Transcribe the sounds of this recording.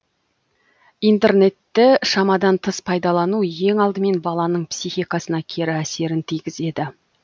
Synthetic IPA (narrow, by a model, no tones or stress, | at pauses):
ijnt̪e̞ɾne̞t̪ːɪʃɑmɑd̪ɑnt̪ʰəspʰɑjd̪ɑlˠɑnuje̞ŋɑlˠd̪əme̞nbɑlˠɑnəɴpsijxijkɑsənɑkʲʰe̞ɾɪæse̞ɾɪnt̪ʰijɡʲɪze̞d̪ɪ